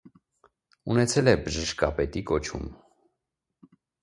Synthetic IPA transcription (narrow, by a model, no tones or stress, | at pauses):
unɛt͡sʰɛlɛbəʒəʃkɑpɛt̪ikɔt͡ʃʰṵm